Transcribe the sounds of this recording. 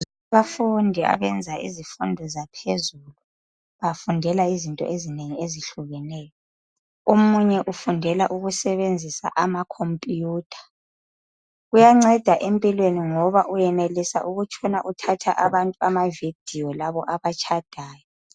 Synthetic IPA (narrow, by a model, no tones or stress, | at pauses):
βafundʱia̰βɛnd͡zʱaʔḭzifundʱɔzapʰezulu | βafundʱɛlaizintʼɔ̰ʔezineŋieziɬuɣɛnɛːjɔ | omuɲɛʔufundʱɛlaʔuɣusɛβend͡zʱisa̰ʔamakʰompʼuːtʰḁ | ɣujaŋ͡ǀɛd̥ʱaʔempʼilweniŋɔβaʔujɛnelisa̰ʔuɣut͡ʃʰʼɔnaʔutʰatʰaʔaβantʼuamavid̥ʱiɔlaβɔʔaβat͡ʃʰʼad̥ʱaːjɔ